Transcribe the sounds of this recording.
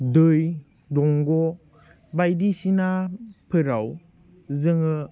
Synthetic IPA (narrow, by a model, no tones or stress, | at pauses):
dɯj | dɔŋɡɔ | bajdisinapʰɯɾaw | zɯŋɯ